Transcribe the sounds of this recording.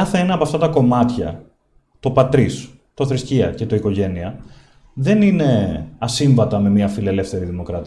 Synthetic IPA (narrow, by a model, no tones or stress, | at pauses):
ɐθeenɐːpɐft̪ɐt̪ɐko̞mɐt̪çɐ̰ | t̪o̞pɐt̪ɾis | t̪o̞θɾisciɐ̰ce̞t̪o̞iko̞ʝe̞niɐ | ðe̞nine̞ɐsiɱvɐt̪ɐme̞miɐfile̞le̞fθe̞ɾiðimo̞kɾɐt̪